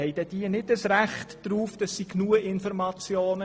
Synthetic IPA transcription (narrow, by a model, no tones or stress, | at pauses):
ɛɪd̥ɛd̥iənɪdəsɾæχtd̥ɾuːfd̥ɑsːiknuəɪnfɔɾmɑt͡sjoːnə